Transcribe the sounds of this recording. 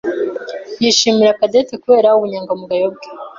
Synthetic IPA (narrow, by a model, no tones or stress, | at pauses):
jiʃimiɾakadetekuβe̞ːɾauβuɲaːŋɡamuɡajob̚ɡe